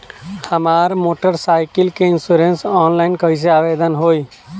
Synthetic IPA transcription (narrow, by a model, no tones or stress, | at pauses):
həmaːɾmoːʈəɾsaːɪkɪlkeɪnsuɾensɔːnlaːɪnkəɪs̬eaːʋeːd̪ənɦoːiː